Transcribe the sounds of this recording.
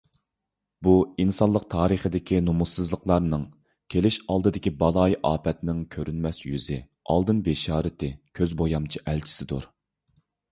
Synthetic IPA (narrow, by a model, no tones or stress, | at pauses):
buinsɑnlˠəq̚t̪ʰɑːɾəχəd̪ɪkʲʰinumusːɨzlˠəqlˠɑɾnɨŋ | kʲʰelɪʃɑlˠd̪ɨd̪ɪkʲibɑlˠɑjʔɑːpʰɛt̪nɪŋkʲʰøɾynmɛsjyzɪ | ɑ̰lˠd̪ɨnbeʃɑːɾɪt̪ɪkʲʰøzbojɑmt͡ʃʰiʔælt͡ʃʰi̥sɪd̪uɾ